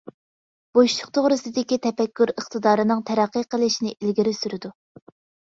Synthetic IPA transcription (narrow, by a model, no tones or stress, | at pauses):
b̥oʃlʰʊq̚t̪ʰoʁɾɨsɨd̪ɪkʲit̪ʰɛpɛkʲːyɾəχt̪ɨd̪ɑːɾɨnɨŋt̪ʰɛɾɛqːəqʰəlˠɨʃnɪʔilɡʲiɾɪsyɾɪd̪u